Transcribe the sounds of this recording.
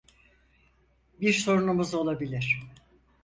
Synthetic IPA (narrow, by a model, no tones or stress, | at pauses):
biɾso̞ɾunumuzo̞lˠabilʲiɾ̥